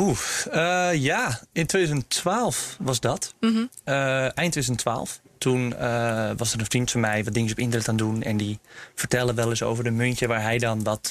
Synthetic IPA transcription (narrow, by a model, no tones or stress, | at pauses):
uəjaɪntweːdyzəntʋaːlˠfʋɑsdɔt | əɛjntʰedyzəntʰːʋa̰ːlˠftʰun | ʋɑsərə̃nfrintfənmɛjʋɔt̚dɪŋəsɔpɪntərnɛtaːndunɛ̰ndifərtɛlˠəʋɛlˠəso̰wvərdəmøntjəʋaːɹɦɛjdɔnʋɔt